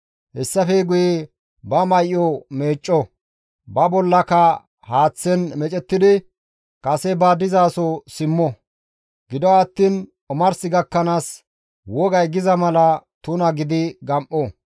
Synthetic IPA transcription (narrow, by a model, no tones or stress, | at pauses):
hɛsːɐfɛɡʊje | bɐmɐjɔmeːt͡ʃʼːɔ | bɐbɔlːɐkɐ | haːt͡sːɛnmɛt͡ʃʼɛt̪ːɪd̪ɪ | kʼɐsɛbaːd̪ɪzaːsɔsɪmːɔ | ɡɪd̪ɔɐt̪ːiːn | ɔmɐɾsɪɡɐkːɐnaːs | wɔɡɐjɡɪzɐmɐlɐt̪ʊnɐɡɪd̪ɪɡɐmʔɔ